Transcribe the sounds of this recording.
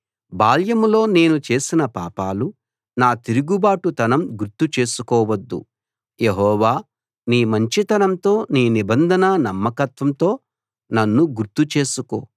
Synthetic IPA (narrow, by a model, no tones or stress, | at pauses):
baːljɐmlo̞ːne̞ːnut͡ʃe̞ːsinɐpa̰ːpaːlu | naːt̪iɾuɡubaːʈut̪ɐnɐmɡuɾt̪ut͡ʃe̞ːsukɔːʋɐd̪ːṵ | je̞ɦɔːʋaː | niːmɐɲt͡ʃit̪ɐnɐmt̪o̞ːniːnibɐnd̪ʱɐnɐnɐmːɐkɐt̪ʋɐmt̪o̞ː | nɐnːuɡuɾt̪ut͡ʃe̞ːsuko̰ː